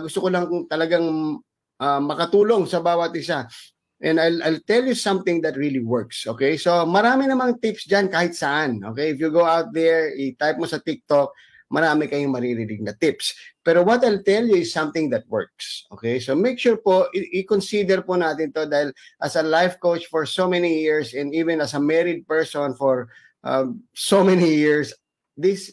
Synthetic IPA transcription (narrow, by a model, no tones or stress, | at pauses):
ɡʊst̪okolɐŋt̪ɐlɐɡaŋ | ʔɐmɐkɐt̪uːlo̞ŋsɐbaːwɐt̪̚ʔɪsa | ʔɛ̃nd̪ajlʔajlt̪ɛljusɐ̃mθɪŋd̪ɐt̪̚ɹiliwɛɹksʔoːkejso̞mɐɾaːmɪnɐmaŋt̪ɪpsd͡ʒankaːhɪt̪̚sɐʔanʔo̞̰kɛjɪfjʊɡowawt̪̚d̪ɛɹɪt̪ajp̚mosɐt̪ɪk̚t̪ok̚ | mɐɾaːmɪkɐjʊŋmɐɾiɾilɪɡ̚nɐt̪ɪpspɛːɾowɔt̪ajlt̪ɛljʊɪsːɐ̃mt̪ɪ̃ŋd̪ɐt̪̚wɛ̰ɹk̚sʔo̰kejsomejkʃuːɹpoʔɪʔɪkonsid̪ɛɾpʊnaːt̪ɪnt̪od̪aːhɪl | ʔɐsɐlajvkowt͡ʃfɔɹsowmɛnijiɹsɛ̃nd̪iːvɛ̃nɐsɐmɛɹɪd̪̚pɛɹsɔnfoɹ | ʔɐsomɛnijiɹs | d̪is